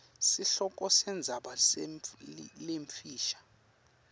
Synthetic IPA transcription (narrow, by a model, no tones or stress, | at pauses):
siɬɔk̬ʼɔsɛnd͡zʱaɓas | leɱfʰiːʃḁ